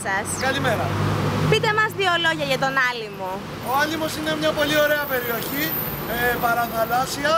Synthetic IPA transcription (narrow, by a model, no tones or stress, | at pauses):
sɐskɐlimeɾɐ̰pit̪e̞mɐzðiolo̞ʝɐʝɐt̪o̞nɐlimo | o̞ɐlimo̞sine̞mɲɐpo̞lio̞ɾe̞ɐpe̞ɾio̞çi | epɐɾɐθɐlɐsiɐ